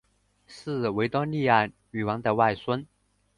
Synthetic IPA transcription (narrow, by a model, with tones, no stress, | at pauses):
ʂɹ̩˥˩we˧˥ɪt̪ɔ˥li˥˧a˥˧˩n | y˨˩wɑ˧˥ŋd̪ə˧wa˥˩ɪswə˥n